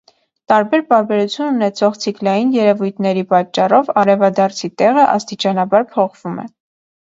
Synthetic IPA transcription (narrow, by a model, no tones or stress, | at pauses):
t̪ɑɾbɛɾpɑɾbɛɾut͡sʰjununɛt͡sʰɔʁt͡sʰiklɑjinjɛɾɛvujt̪ʰnɛɾipɑt͡ʃːɑrɔvɑɾɛvɑd̪ɑɾt͡sʰit̪ɛʁəʔɑ̰st̪it͡ʃɑnɑbɑɾpʰɔχv̥umɛ̰